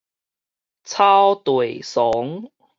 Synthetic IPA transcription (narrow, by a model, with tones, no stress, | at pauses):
t͡sʰaː˥wt̪wu˨˩jsɔ˨˦ŋ